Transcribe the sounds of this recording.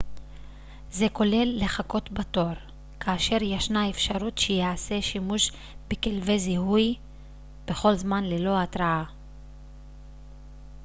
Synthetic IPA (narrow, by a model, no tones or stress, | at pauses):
ze̞ko̞le̞lːe̞χako̞tbato̞ɾ | kʰaːʃe̞ʁjaʃnaefʃaʁutʃejaase̞ʃimuʃ | bekelvezihuj | b̥e̞χo̞lzmanlelo̞atɾaa